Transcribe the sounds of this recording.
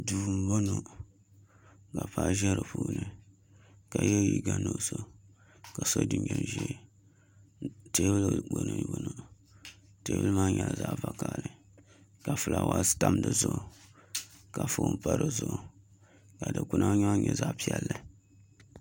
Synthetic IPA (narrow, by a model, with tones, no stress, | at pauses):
du˨˦m˦bo˦no˨ | ka˨pa˦ʒɛ˦ɾɨ˨puː˦nɨ˨ | ka˨jɛ˦˨ji˨ɡa˦no˦so˦ | ka˨so˦dɨ˨ɲɛ˨n˨ʒɛ˦ | te˦bɨ˦lɡ͡bo˨no˨bo˦no˨ | te˨˦bɨ˦lɨ˦maː˦ɲɛ˨la˨za˦ʔva˨ka˨lɨ˨ | ka˨fɨ˨la˨wa˨˦ta˦mlɨ˨zʊ˦˨ | ka˨fo˨˦m˦pa˨ɾɨ˨zʊ˨ʔ | ka˨dɨ˨ku˦nʔa˦ɲa˦ɲɛ˨za˦ʔpi˦ɛ˦lːɨ˨